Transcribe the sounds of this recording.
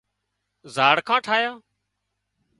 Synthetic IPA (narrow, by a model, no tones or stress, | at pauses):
zaːɽkʰãːʈʰaːjaː